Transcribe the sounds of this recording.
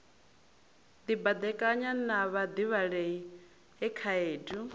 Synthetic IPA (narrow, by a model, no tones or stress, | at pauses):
d̪ibad̪ɛkʼaɲanaβad̪iβaɺei | ɦɛkʰaeːdu